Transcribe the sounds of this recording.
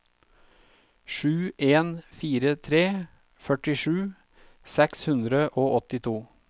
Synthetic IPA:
ʃʉːʔeːnfiːɾət̪ʰɾeː | fœʈɪʃʉː | sɛkshʉnd̪ɾəʔoːʔɔt̪ɪt̪ʰuː

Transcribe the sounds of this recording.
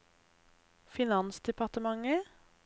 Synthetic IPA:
fɪnɑnsd̪ɛpʰɑʁt̪əmɑŋə

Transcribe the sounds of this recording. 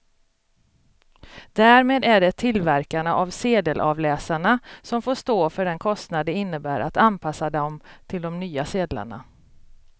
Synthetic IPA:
d̪æːɾmeːd̪æɖɛt̪ʰɪlvæɾkaɳaʔavseːd̪əlʔɑ̰vlɛːsaɳasɔmfoːʂt̪oːfœɖɛnkʰɔst̪nad̪əɪnːəbæːɾʔat̪anpʰasːad̪əɔmt̪ʰɪld̪ɔmnyːaseːd̪la̰ɳa̰

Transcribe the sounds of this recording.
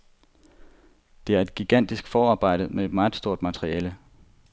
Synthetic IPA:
d̥e̝æɐe̝d̥̚ɡ̥iɡ̥æn̰d̥isɡ̥fɒːɑ̈ːb̥ɑ̈ɪ̰d̥ð̩ˠmee̝d̥mɑ̈ːð̩ˠsd̥o̝ɐ̰d̥mæt͡sʰʁiɛːlə

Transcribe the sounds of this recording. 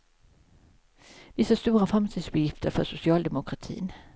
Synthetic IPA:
ʋɪsast̪uːɾafʁamst̪ʰiːd̪sbjɪft̪ʰəɾfœsʊsɪɑːld̪ɛmʊkʰʁat̪ʰḭːn

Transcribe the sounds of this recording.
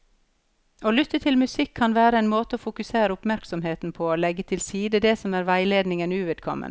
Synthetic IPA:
oːlʏt̪ːət̪ʰɪlmʉsɪkʰːɑnʋæːɾəeːnmoːt̪əoːfʊkʉseːɾəʊpmæɾksɔmheːt̪n̩pʰoːoːlɛɡːət̪ʰɪlsiːd̪əd̪eːsɔmæːɾʋæɪleːd̪nɪŋənʉːʋeːd̪̥̚kʰɔ̰mʔə̰n

